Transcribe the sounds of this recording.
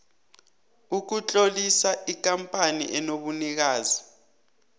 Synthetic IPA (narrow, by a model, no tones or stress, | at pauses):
uk̬ut͡ɬʼolisaʔik̬ʼampʼanḭʔɛnoɓunik̬aːzi